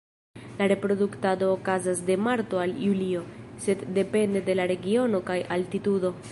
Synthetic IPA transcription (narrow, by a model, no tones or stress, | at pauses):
laɾe̞pɾo̞duktado̞ːkazas̬de̞maɾto̞aljulio̞se̞dːe̞pe̞nde̞de̞laɾe̞ɡio̞no̞kajʔaltitudo̞